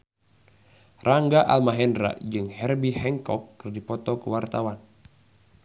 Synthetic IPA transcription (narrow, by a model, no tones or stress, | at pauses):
raŋɡaʔa̰lmaɦɛndɾa̰ʔd͡ʒɨŋhɛrbihɛŋkɔkːɨrdipɔt̪ɔkuwart̪awan